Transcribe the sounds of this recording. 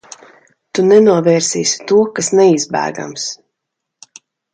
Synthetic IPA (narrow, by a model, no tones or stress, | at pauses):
t̪unɛnuɔvɛːɾsʲiːsʲt̪uɔkasnɛizbæ̰ːɡa̰ms